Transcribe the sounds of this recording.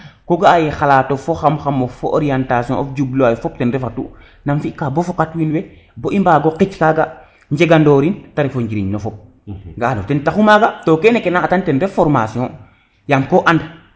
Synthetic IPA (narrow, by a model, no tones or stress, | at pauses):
koɡaajexalaːtofoxamxamofoʔo̰ɾiantasijɔ̰̃ɔfd͡ʒubloajfɔp̚tɛnɾɛfatṵ | namfikaːbofokatwinwe | boʔimbaɡoqit͡ʃkaɡa | ɲd͡ʒeɡandoːɾintaɾifoɲɟiɾiɲnofɔp̚ | ŋɡaːnotɛntaxumaɡatokɛnekenaːtantɛnɾefɔɾmasiɔ̃ | jamkoʔand